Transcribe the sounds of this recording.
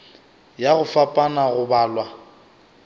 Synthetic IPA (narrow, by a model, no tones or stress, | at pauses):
jaɣʊfapʼanaɣʊbaːlwa